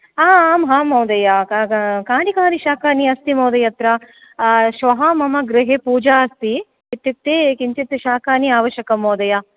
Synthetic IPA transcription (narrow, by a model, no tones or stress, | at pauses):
aːmɦaːmɐwd̪ɐjakaːnikaːniʃaːkaːniɐst̪imoːd̪ɐjɐt̪ɾɐ | ʃʋɐɦɐmɐmɐɡɾɪɦeːpuːd͡ʒaːɐst̪i | it̪ːit̪ːeːkiɲt͡ʃit̪ːʃaːkaːniaːʋɐʃjɐkɐmoːd̪ɐja